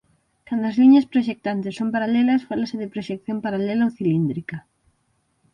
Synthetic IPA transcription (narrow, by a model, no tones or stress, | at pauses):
kand̪ʊɐzliɲɐspɾoʃek̚t̪ant̪ɪsːompaɾalelɐsfalasɪðɪpɾoʃekθjompaɾalelaowθilind̪ɾikɐ